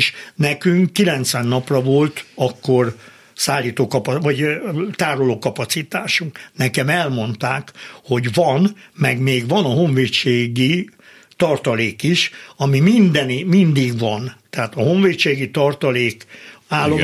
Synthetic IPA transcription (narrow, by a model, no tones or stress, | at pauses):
ʃnɛkyŋkːilɛnt̪sʋɛnːɒprɒvo̞lt̪ɒkːor | saːlːiːt̪oːkɒpɒʋɒɟt̪aːɾoloːkɒpɒt̪sit̪aːʃuŋknɛkɛmɛlmo̞nt̪aːkho̞ɟʋɒnmɛɡmeːɡʋɒnɒɦoɱveːt͡ʃeːɡi | t̪ɒrt̪ɒleːkiʃɒmimind̪ɛnimind̪iɡʋɒnt̪ɛɦaːt̪ɒɦo̞ɱveːt͡ʃeːɡit̪ɒrt̪ɒleːkaːlːo